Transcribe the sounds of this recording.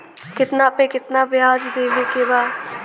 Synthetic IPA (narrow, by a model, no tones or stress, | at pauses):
kɪt̪nãːpẽːkɪt̪naːʋɪjaːd͡ʒd̪eːʋeːkeːʋaː